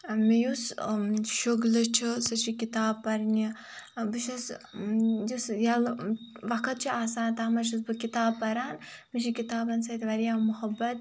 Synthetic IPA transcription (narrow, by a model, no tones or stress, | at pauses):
mijusʃoɡlɐt͡ʃʰisɐt͡ʃʰikit̪aːbpɐɾnibɨʃɐs | jusjɐlʋɐkʰɐt̪̚t͡ʃʰiaːsaːnt̪aːmɐʃ̬ɐs̬bɨkit̪aːbpɐɾaːnmit͡ʃʰikit̪aːbɐnsɐt̪ʲʋɐɾjaːmuhɐbɐt̪